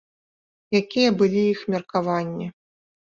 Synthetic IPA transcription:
jakʲijɐbɨlʲiixmʲɐrkavanʲːi

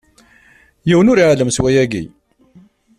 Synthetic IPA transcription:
jiwənʊɾiʕləmswæjæɡḭ

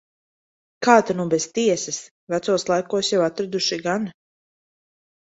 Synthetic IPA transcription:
kaːt̪anubest̪iɛsɛs | væt̪suɔslˠajkuɔsjawat̪ɾad̪uʃiɡan

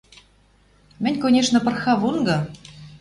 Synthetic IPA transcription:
mʲɘ̆nʲkonʲeʂnɤ̆pɤ̆rxɑβunɡɤ̆

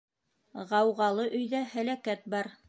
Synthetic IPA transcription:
ʁɑwʁɑlˠɤʔɵ̆jðæhælækæt̪̚bɑɾ

